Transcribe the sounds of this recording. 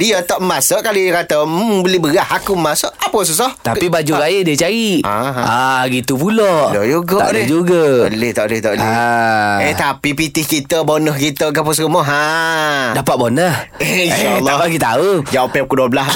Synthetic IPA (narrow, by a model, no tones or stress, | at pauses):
diət̪ɔʔmasəʔkalikat̪əmbəlɪhbəɣahakuəmasəʔapəs̬us̬ɔht̪apibad͡ʒuɾajədiət͡ʃaɾiʔa̰ɦaɡit̪upulɔʔod͡ʒuɡaa̰ʔlhd͡ʒuɡəəlɪht̪aʔbəlɪht̪ɔʔbəlia | eht̪apipit̪ɪhkit̪əbonəhkit̪əɡapəsɾəmɔɦa | dapat̪̚bonəhinʃalːaɔaɡit̪aud͡ʒawɔpɛp̚kəduəbəlas